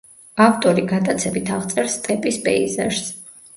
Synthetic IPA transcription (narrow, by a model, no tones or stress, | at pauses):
aft̪ʼɔɾiɡad̪at̪sʰɛbit̪ʰaʁt̪sʼɛɾst̪ʼɛpʼisbɛ̰ḭzɛɾs